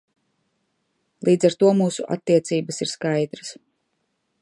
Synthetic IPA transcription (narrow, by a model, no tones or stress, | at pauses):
lˠiːd̪zaɾt̪uɔmuːsuʔa̰t̪ːiɛt̪siːbasiɾskajd̪ɾas